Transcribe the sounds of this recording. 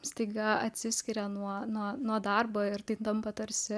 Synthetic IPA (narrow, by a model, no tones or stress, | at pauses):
sʲt̪ɐɪɡɐɐt̪ʲsʲɪsʲkʲɪɾʲɛnuɔnuɔnuɔd̪ɐrboːɪrt̪ɐɪt̪ɐmpɐt̪ɐɾʲsʲɪ